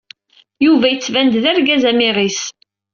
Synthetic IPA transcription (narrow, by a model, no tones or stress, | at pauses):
juvæjət͡sːvænd̪ðæɾɡæzæmɪʁis